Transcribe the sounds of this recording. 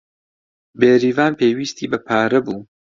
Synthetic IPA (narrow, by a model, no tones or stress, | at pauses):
beːɾiːvaːnpeːwiːst̪ʰiːbɐpʰaːɾɐbuː